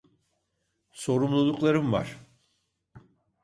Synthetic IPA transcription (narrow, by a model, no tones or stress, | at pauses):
so̞ɾumlˠulˠuklˠaɾɯmva̰ɾ̥